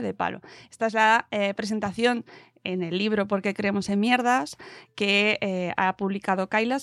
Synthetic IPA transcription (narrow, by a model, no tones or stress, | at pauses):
ðe̞pa̰lo̞̰est̪ae̞zlaepɾe̞s̬e̞nt̪aθjo̞n | ene̞lːiβ̞ɾo̞po̞ɾke̞kɾeemo̞se̞mmje̞ɾðaskeea̰puβlikað̞o̞kajlas